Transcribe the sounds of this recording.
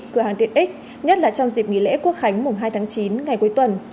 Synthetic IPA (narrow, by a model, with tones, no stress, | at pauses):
kɨ˧˩aː˨˩ŋt̪i˧˨əʔi˦˥k̚ | ɲə˦˥t̚laː˨˩t͡ɕɔ˧wŋ͡mzi˨˩p̚ŋḭ˧˨lḛ˧˥ku˦˥ək̚xa˨˦jŋ̟mʊ˨˩ŋ͡mɦaː˧jt̪ʰaː˨˦ŋt͡ɕi˨˦nŋa˨˩jku˨˩˦jt̪wə˨˩n